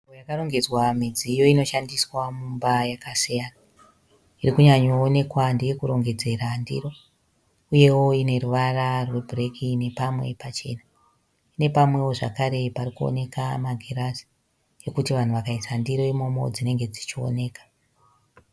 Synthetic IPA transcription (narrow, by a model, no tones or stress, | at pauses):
uojakaro̞ŋɡe̞d͡zwamid͡ziːjo̞ino̞ʃandiswamumbajakasijana | irikuɲaɲo̞ːne̞kwandejekuɾo̞ŋɡe̞d͡ze̞randḭɾo̞ | uje̞wo̞ine̞ruʋararwe̞bʱrekʰine̞pamwe̞̰pat͡ʃe̞̰na | ine̞pamwe̞wo̞ʐa̰kaɾe̞paɾikuo̰ne̞kamaɡʱeɾasi̥ | jo̞kutiʋan̤uʋakaisandiɾo̞imo̞mo̞̰d͡zine̞ŋɡe̞d͡zit͡ʃio̰ne̞ːkḁ